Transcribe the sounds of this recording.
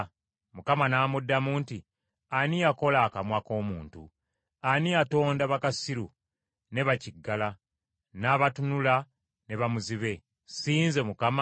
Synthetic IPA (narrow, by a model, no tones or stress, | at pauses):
mukamanaːmudːamuːnti | aniako̞laːkamwako̞ːmuːntṵ | aniato̞ːndaβakasiɾu | ne̞βaciɡːala | naːβatunula | ne̞βamuziβe̞ | siːnze̞mukama